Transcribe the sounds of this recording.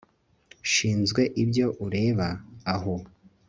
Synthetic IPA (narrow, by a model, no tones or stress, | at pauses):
ʃiːnzɡwe̞ʔibɟo̞ʔuɾe̞ːβaːɦo